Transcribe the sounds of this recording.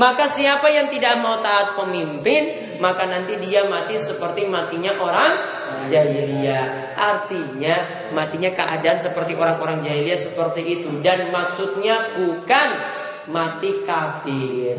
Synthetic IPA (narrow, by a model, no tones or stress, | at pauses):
makasiapajaŋt̪idaʔ̚maut̪aːt̪̚pəmimpɪn | makanant̪idiamat̪isəpərt̪imat̪iɲaʔoɾaŋ | d͡ʒaɦilia | ʔart̪iɲa | mat̪iɲakəʔa̰daansəpərt̪iʔoɾaŋʔoɾaŋd͡ʒaɦiliasəpərt̪iːt̪udanmaksut̪̚ɲabukan | mat̪ikafɪr